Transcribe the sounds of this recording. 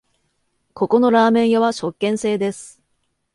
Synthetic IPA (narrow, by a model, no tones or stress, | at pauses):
ko̞ko̞no̞ɾaːmẽ̞ɰ̃jaβaɕo̞kːẽ̞ɰ̃se̞ːd̪e̞sɨ̥